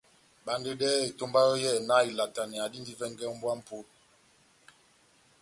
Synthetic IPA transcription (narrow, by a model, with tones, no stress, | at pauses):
ba˨n˦de˦dɛ˦e˨to˦mba˦ɣə˦jɛ˦˨na˦i˨la˨ta˨ni˨a˨di˦n˦di˦vɛ˦ŋ˦ɡɛ˦m˦bwa˦m̩˨po˦t̚